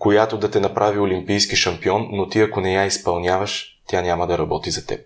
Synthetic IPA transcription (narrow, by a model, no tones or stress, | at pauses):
kojat̪od̪ɐt̪ɛnɐpɾʔaviolimpijskiʃɐmpiɔnːot̪iɐkonɛjaispɐlˠnʲavɐʃ | t̪ʲjanʲamɐd̪ɐɾɐbɔt̪izɐt̪ɛ̰p̚